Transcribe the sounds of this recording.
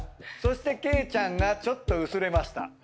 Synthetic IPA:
so̞ɕi̥t̪e̞ke̞ːt͡ɕãŋɡat͡ɕo̞t̪ːo̞ɯ̟sɨɾe̞maɕi̥t̪a̰

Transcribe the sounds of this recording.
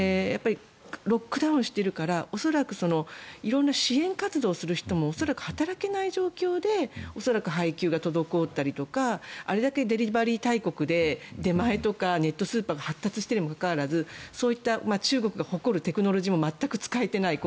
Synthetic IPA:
japːaɾʲi | ɾo̞kːɯ̟d̪aɯ̃ɕi̥t̪e̞ɾɯ̟kaɾao̞so̞ɾakɯ̟so̞no̞iɾõ̞nːaɕiẽ̞ŋkat͡sɨd̪o̞ːsɨɾɯ̟çi̥t̪o̞mo̞ːso̞ɾakɯ̟̥hat̪aɾake̞naiʑo̞ːkʲo̞ːd̪e̞o̞so̞ɾakɯ̟ɦaikʲɨːɡat̪o̞d̪o̞ko̞ːt̪ːaɾʲit̪o̞kaa̰ɾe̞d̪ake̞d̪e̞ɾʲibaɾʲiːt̪aiko̞kɯ̟d̪e̞d̪e̞mae̞t̪o̞kane̞t̪ːo̞sɨːpaːɡahat̪ːat͡sɨ̥ɕi̥e̞ɾemokakaβaɾazɨso̞ːit̪ːamat͡ɕɨːɡo̞kɯ̟ɡaho̞ko̞ɾɯ̟t̪e̞kɯ̟no̞ɾo̞ʑiːmo̞mat̪ːakɯ̟t͡sɨ̥kaet̪e̞naik

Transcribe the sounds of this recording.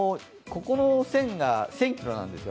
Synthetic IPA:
ko̞ko̞nosẽ̞ŋɡasẽ̞ŋkʲiɾo̞nã̰nd̪e̞sɨjo

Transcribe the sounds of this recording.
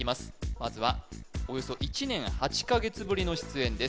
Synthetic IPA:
imasɨ̥mazɨβao̞jo̞so̞ʔit͡ɕinẽ̞ɰ̃hat͡ɕi̥kaɡe̞t͡sɨbɯ̟ɾʲino̞ɕi̥t͡sɨẽ̞nd̪e̞s

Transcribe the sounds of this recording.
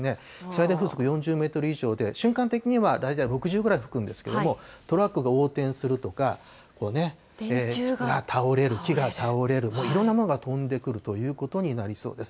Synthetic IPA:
ne̞ | i̥said̪aiɸɯːso̞kɯ̟jõ̞ɲ̟d͡ʑɨːme̞ːt̪o̞ɾɯ̟iʑo̞ːd̪e̞ɕɨ̃ŋkãnt̪e̞kʲiɲ̟iβad̪ait̪aiɾo̞kɯ̟ʑɨːɡɯ̟ɾaiɸɯ̥kɯ̟̃nd̪e̞sɨ̥ke̞̰d̪omo̞t̪o̞ɾakːɯ̟ɡao̞ːt̪ẽ̞ɰ̃sɨɾɯ̟t̪o̞ka | ko̞ːne̞ | eːɡat̪ʰaoɾe̞ɾɯ̟kʲiɡat̪ʰaoɾe̞ɾɯ̟mo̞ːiɾõ̞nːamonoɡat̪õ̞nd̪e̞kɯ̟ɾɯ̟t̪o̞jɯ̟ːko̞t̪o̞ɲ̟inaɾʲiso̞̰ːd̪e̞sɨ̥

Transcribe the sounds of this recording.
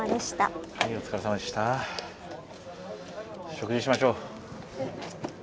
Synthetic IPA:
ad̪eɕi̥t̪a̰hajot͡sɨ̥kaɾasamad̪e̞ɕi̥t̪a | ɕo̞kɯ̟d͡ʑiɕimaɕo̞ː

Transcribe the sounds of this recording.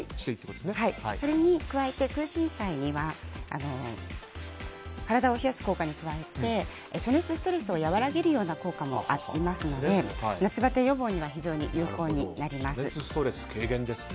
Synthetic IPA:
i̥t̪eit̪ːekoo̥shaiso̞ɾe̞ɲ̟ikɯ̟βae̞t̪e̞kɯ̟ːɕĩɰ̃saiɲ̟iβaa̰no̞ | kaɾad̪ao̞çijasɨ̥ko̞ːkaɲ̟ikɯ̟βae̞t̪e̞ | ɕo̞ne̞t͡sɨsɨ̥t̪o̞ɾe̞sɨo̞jaβaɾaɡe̞ɾɯ̟jo̞ːnako̞ːkamo̞̰ʔat̪ːɾʲimasɨno̞dd̪e̞nat͡sɨbat̪e̞jo̞bo̞ːɲ̟iβaçiʑo̞ːɲ̟ḭjʔɯːko̞ːɲ̟inaɾʲimasɨst̪oɾe̞sɨ̥kʰeːɡẽ̞nd̪esɨ̥

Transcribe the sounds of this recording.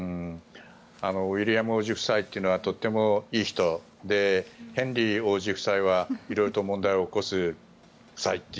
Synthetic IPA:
ano̞βiɾʲijamɯoːʑiɸɯ̟̥sait̪ːe̞iɯ̟no̞βat̪o̞t̪ːe̞mo̞iːçi̥t̪o̞ | d̪e̞hẽ̞nɾʲio̞ːʑiɸɯ̟̥saiβaiɾo̞iɾot̪o̞mõ̞nd̪aioːko̞sɨ | sait̪ːe

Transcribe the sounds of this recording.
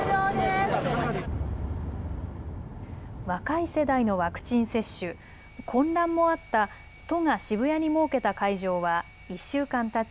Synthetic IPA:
oːd̪e | βakaise̞d̪aino̞βakɯ̟̥t͡ɕĩɰ̃se̞ɕːɨ | kʰõ̞nd̪ãmːo̞at̪ːa | t̪o̞ŋaɕibɯ̟jaɲ̟imo̞ːke̞t̪akaiʑo̞ːβa | iɕːɨːkãnt̪at͡s

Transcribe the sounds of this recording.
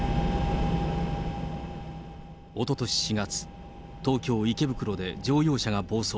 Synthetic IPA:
o̞t̪o̞t̪o̞ɕi̥ɕiɡat͡sɨ̥ | t̪o̞ːkʲo̞ːike̞bɯ̟kɯ̟ɾo̞d̪e̞d͡ʑo̞ːjo̞ːɕaɡabo̞ːso

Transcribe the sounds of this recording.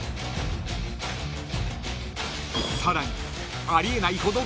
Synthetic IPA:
saɾaɲ̟i | aɾʲie̞naiho̞d̪o

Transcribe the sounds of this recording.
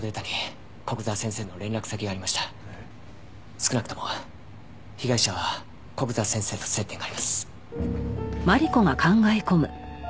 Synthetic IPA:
d̪et̪anʲi | ko̞kɯ̟zasẽse̞ːno̞ɾẽ̞nɾakɯ̟sakʲiɡaːɾʲimaɕi̥t̪ḁ | sɨ̥kɯ̟nakɯ̟̥t̪o̞mo̞ | çiɡaiɕaβa | ko̞kɯ̟zasẽ̞ɰ̃se̞ːt̪ose̞t̪ːe̞ŋɡaːɾimasɨ̥ | maɾʲiko̞ŋakãŋɡaeko̞mɯ̟̰

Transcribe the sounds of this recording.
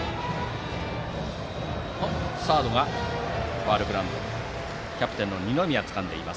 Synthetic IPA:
osaːd̪o̞ɡa | baːɾɯ̟ɡɯɾãnd̪oo | kʲapɯ̥t̪enːo̞ɲ̟ʲino̞mʲiat͡sɨ̥kãnd̪e̞imas

